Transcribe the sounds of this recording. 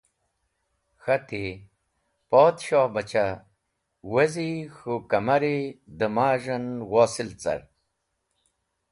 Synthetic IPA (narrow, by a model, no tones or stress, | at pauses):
xɐt̪i | poːt̪ɕoːbɐt͡ɕa | wɐzixukɐmɐɾid̪əmaːʐɐnwoːsilt͡sɐ̰ɾ